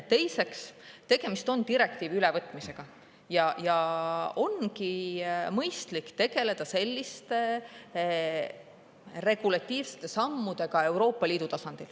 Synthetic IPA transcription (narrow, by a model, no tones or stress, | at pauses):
t̪e̞jse̞kst̪e̞ɡ̥e̞mist̪o̞nt̪iɾe̞k̚t̪iːvylɛvɤt̪ːˑmise̞ɡ̥ɑ | jɑjɑo̞nkimɤjst̪likːt̪e̞ɡ̥e̞le̞d̪̥ɑse̞lʲːist̪e̞ | re̞ɡ̥ulɑt̪ːˑiːvse̥t̪ːe̞sɑmːud̪̥e̞ɡɑe̞wɾo̞ːpːɑlʲiːd̪̥ut̪ɑsɑnd̪̥il